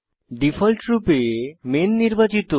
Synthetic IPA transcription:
ɖifʰɔlʈɾupemenːiɾbat͡ɕit̪o

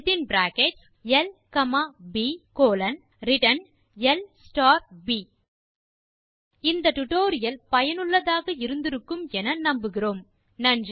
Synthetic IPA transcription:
t̪ɪnbɾaːkeʈ | ɛlkɐmaːbikoːlɐn | ɾɪʈɐn | ɛlsʈaːɾbiː | ɪnd̪ɐʈʊʈoːɾɪjɐlpɐjɐnɯɭːɐðaːɣɐɪɾɯnd̪ɪɾɯkːɯmɛnɐnɐmbɯɣɪroːm | nɐn

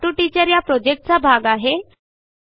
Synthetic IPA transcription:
ʈuʈit͡ɕəɾjapɾɔd͡ʑek̚ʈ̚t͡sabʱaɡaɦe

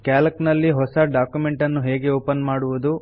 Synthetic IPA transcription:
kaːlɐknɐlːiɦɔsɐɖaːkjume̞ɳʈɐnːuɦe̞ːɡe̞oːpɐnmaːɽuʋud̪u

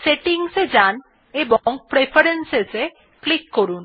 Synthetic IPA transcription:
seʈiŋsed͡ʑan | eboŋpɾefʰaɾensese | klikːoɾun

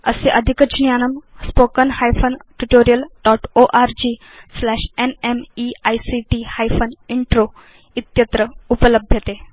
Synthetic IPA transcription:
ə̰seʔəd̪ʱikət͡ɕnjanəmspokənhajfənʈuʈoɾijəlɖɔʈoʔaɾd͡ʑiː | slæɕenemiajsiʈihajfʰəniɳʈɾo | it̪jət̪ɾəupələbʱjət̪e

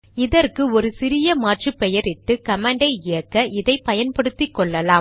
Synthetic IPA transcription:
ɪðɐrkɯɔɾɯsɪɾɪjɐmaːʈrɯpːɛjɐɾɪʈːɯkɐmɐːɳɖɐɪɪjɐkːɐʔɪðɐɪpɐjɐnpɐɽɯt̪ːɪkːɔɭːɐlaːm

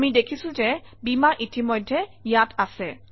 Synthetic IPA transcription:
amidekʰisʊ̃zɛ | bimaʔitimɔjdʱːɛjatasɛ

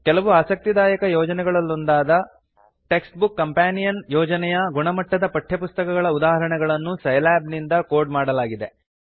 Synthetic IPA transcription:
kɛlɐʋuaːsɐk̚t̪id̪aːjɐkɐjɔːd͡ʒɐnɛɡɐɭɐlːond̪aːd̪ɐ | ʈe̞ːksʈbukːɐmpaːnijɐnjɔːd͡ʒɐnɛjɐɡuɳɐmɐʈːɐd̪ɐpɐʈʰːjɐpust̪ɐkɐɡɐɭɐud̪aːɦɐɾɐɳɛɡɐɭɐnːusɐjlaːbnind̪ɐkoːɾɖmaːɽɐlaːɡid̪e

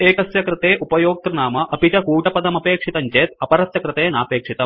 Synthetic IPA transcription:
eːkɐsjɐkɾɪt̪eːʔupɐjoːk̚t̪ɾɐnaːmɐʔɐpit͡ʃɐkuːʈɐpɐd̪ɐmɐpeːkʂit̪ɐɲt͡ʃeːt̪ɐpɐɾɐsjɐkɾɪt̪eːnaːpeːkʂit̪ɐm

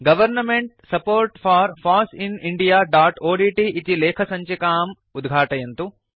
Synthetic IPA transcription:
ɡɐʋɐɾnɐmeɳʈsɐpoːɾʈfʰaːɾfaːsiniɳɖijaːɖaːʈoːɖiːʈiʔːt̪ileːkʰɐsɐ̃ɲt͡ʃekaːm | ud̪ɡʱaːʈɐjɐnt̪u

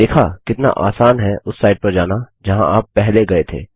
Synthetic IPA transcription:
eːkʰakɪt̪na̰ʔa̰ːsaːnɦɛʔʊsːaːɪɖ̚pɐɾd͡ʒaːnad͡ʒɐɦãʔaːpːɛɦleɡɐet̪ʰḛː

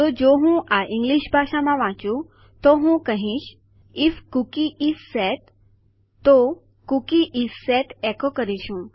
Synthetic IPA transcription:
t̪od͡ʒoɦũʔaʔĩŋɡliʃbʱaʃamãʋãt͡ʃũ | t̪oɦũkəɦĩʃ | ifkukiʔisːɛʈ | t̪ːo | kukiʔisɛʈekokəɾiʃũ

